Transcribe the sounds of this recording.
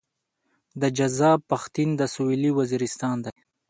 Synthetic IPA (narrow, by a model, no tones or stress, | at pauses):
d̪əd͡ʒazɑpaxt̪ind̪əsuwiliwaziɾɪst̪ɑnd̪aj